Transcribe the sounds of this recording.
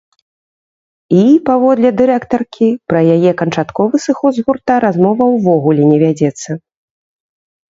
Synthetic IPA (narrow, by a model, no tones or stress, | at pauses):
ipavɔd̪lʲɛd̪ɨɾɛkt̪ɐrkʲipɾɐjajɛkɐnt͡ʂat̪kɔvɨsɨxɔzɣurt̪aɾazmɔvɐwvɔɣulʲɛnʲɛvʲad͡zʲɛt̪sːɐ